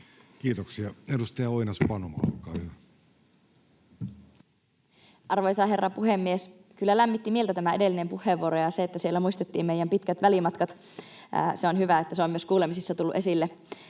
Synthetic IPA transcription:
kiːt̪oksiɑedust̪ɑjɑoinɑspɑnomɑ̰l̰kːˑɑ̰ːhyʋæ | ʔɑrʋojsɑherːɑpuhemːies | kylːælæmːit̪ːimielt̪æt̪æmæedelːinempuhˑeʋːuoɾojɑseet̪ːæsielːæmuist̪et̪ːiːmmeijæmpit̪kæt̪ʋælimɑt̪kɑt̪ː | seonhyʋæet̪ːæseomːyøskuːlemisisːɑt̪ulːuʔe̞silːe

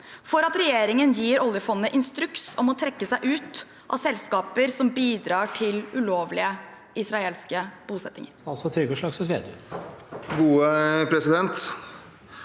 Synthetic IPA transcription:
fɔɾɑt̪ɾɛjeːɾɪŋənjiːɾɔljəfɔnːəʔɪnst̪ɾʉksɔmɔt̪ʰɾɛkːəsæɪʔʉːt̪ | ʔɑ̰ʋsɛlskɑːpəɾsɔmbiːd̪ɾɑːʈʰɪlʉloːʋlɪə | ʔɪsɾɑeːlskəb̥uːsɛt̪ːɪŋəɾsɑlsɔt̪ʰɾʏɡəʂɭɑːɡsɛt̪ʋḛːd̪ʉː | ɡuːəpʰɾɛsɪd̪ɛnt̪

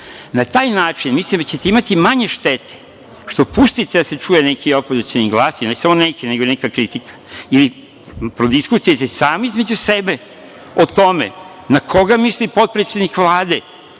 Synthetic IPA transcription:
nat̪aːjnaːt͡ʃinmislimd̪at͡ɕet̪eimat̪imaɲe̞ʃt̪et̪e̥ | ʃt̪o̞pust̪it̪ed̪ase̞t͡ʃuːje̞ne̞kiopozit͡ʃ̪eniɡlˠaːsinesamo̞nekineɡoinekakɾit̪ikʰḁili | pɾod̪iskut̪ujet̪e̞saːmizme̞d͡ʑusebe̞ | ot̪o̞mḛ | nakʰo̞ɡamislipo̞t̪̚pɾet̪sʲe̞d̪nikʋlˠaːd̪e̞

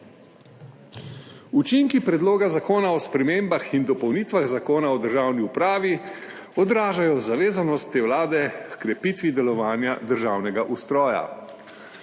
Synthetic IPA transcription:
ut͡ʃiŋkipɾɛd̪loːɡazakoːnaɔspɾɛmeːmbaxind̪ɔpɔwniːt̪ʋaɣzakoːnaɔd̪əɾʒaːwniupɾaːʋi | ɔd̪ɾaːʒajɔzaʋeːzanɔst̪ːeːwlaːd̪ɛkɾɛpit̪ʋid̪ɛlɔʋaːnjad̪əɾʒawnɛɡaʔust̪ɾɔːja̰

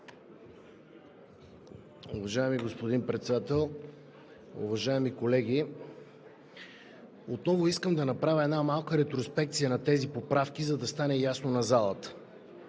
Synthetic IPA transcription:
ʊvɐʒaɛmiɡospod̪inpɾɛt̪sɛd̪at̪ɛlˠ | ṵvɐʒaɛmikolɛɡ̟ʲi | ot̪nɔvoiskəmd̪ɐnɐpɾavʲɐɛd̪namalˠkəɾɛt̪ɾospɛkt̪sijənɐt̪ɛzipopɾafk̟ʲizɐd̪ɐst̪anɛjasnonɐzalˠət̪ə̥

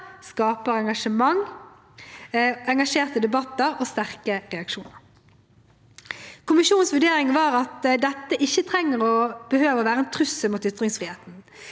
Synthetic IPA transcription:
skɑːpəʁɛŋɡɑʂəmɑŋ | ɛŋɡɑʂeːʁt̪əd̪ɛbɑt̪ːəʁoːst̪æʁkəʁɛɑkʃuːnəʁ | kʰʊmɪʃuːn̩sʋʉɖeːʁɪŋʋɑːʁɑt̪d̪ɛt̪ːəʔɪçːət̪ʰʁɛŋːəʁɔb̥əhøːʋəʁɔʋæːʁəɛnt̪ʰʁʉsəmuːt̪ʏt̪ʁɪŋsfʁiːheːt̪n̩

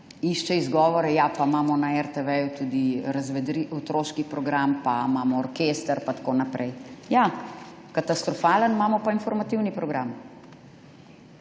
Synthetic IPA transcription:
iʃt͡ʃɛizɡɔːʋɔɾɛjapamaːmɔnaɛɾt̪ɛʋɛjut̪ud̪iɾɐzʋɛd̪ɾiɔt̪ɾoːʃkipɾɔɡɾampamaːmɔːɾkeːst̪əɾpat̪ḁkonapɾʔɛjja | kat̪ast̪ɾɔfaːlənmaːmɔpainfɔɾmat̪iwnipɾɔɡɾam

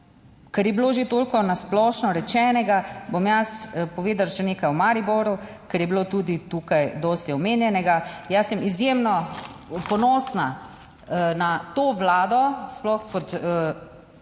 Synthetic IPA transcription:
kɛɾjɛbiloːʒet̪oːlkɔnasplɔːʃnɔɾɛt͡ʃɛːnɛɡabomjaspɔʋeːd̪alʃɛnekajumaɾibɔɾu | kɛɾjɛbilot̪ud̪it̪uːkajd̪ɔst̪iɔmeːnjɛnɛɡajasɛmizjemnɔpɔnɔːsna | nat̪oːʋlaːd̪ɔsplɔxkɔt̪ə

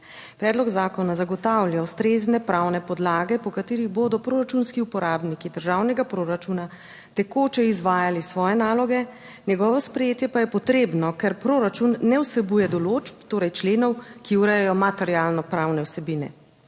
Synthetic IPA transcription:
pɾɛd̪lɔɡzaːkɔnazaɡɔt̪awlʲjawst̪ɾeznɛpɾawnɛpɔd̪laːɡɛpɔkat̪eːɾiɣboːd̪ɔpɾoːɾat͡ʃunskiupɔɾaːbnikid̪əɾʒawnɛɡapɾoɾat͡ʃuna | t̪ɛkoːt͡ʃɛizʋaːjalisʋɔːjɛnaːlɔɡɛ | njɛɡɔːʋɔspɾɛjeːt̪jɛpajɛpɔt̪ɾeːbnɔkɛɾpɾoɾat͡ʃunːɛwsɛbuːjɛd̪ɔloːd͡ʒpt̪oːɾɛjt͡ʃleːnɔwkiuɾɛjɛjɔmat̪ɛɾialnɔpɾawnɛwsɛbiːnɛ̰

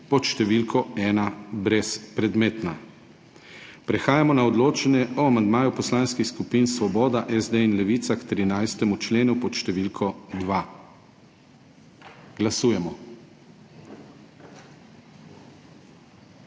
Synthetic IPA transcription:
pɔt̪ʃt̪ɛʋilkʰɔɛːnabɾɛspɾɛd̪meːt̪na | pɾɛxaːjamɔnaɔd̪loːt͡ʃɛnɛɔamand̪maːjupɔslaːnskixskupinsʋɔbɔːd̪aʔɛzd̪einlɛʋit̪sakt̪ɾinajst̪ɛmut͡ʃleːnupɔʃt̪ɛʋilkʰɔd̪ʋa | ɡ̥lasuːjɛmɔ

